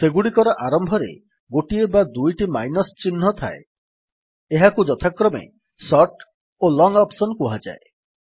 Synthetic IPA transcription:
seɡuɽikɔɾɔʔaɾɔmbʱɔɾḛ | ɡoʈiebad̪ujʈimajnɔst͡ʃin̤ːɔt̪ʰa̰e | eɦakud͡ʒɔt̪ʰakɾɔmḛ | sɔʈ | olɔŋɔpsɔnkuɦad͡ʒa̰e

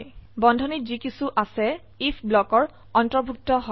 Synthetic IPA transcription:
bɔndʱɔnizikisuʔasɛ | ipʰblɔkɔɹ | ɔntɹɔɹbʱuk̚tɔɦɔ

